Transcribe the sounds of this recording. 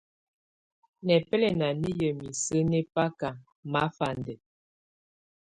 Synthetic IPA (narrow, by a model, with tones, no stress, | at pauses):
nɛ˨pɛ˦lɛ˨na˨ni˦jə˨mi˨sə˦nɛ˦pa˦ka˨ | ma˨˦fa˨ndə˨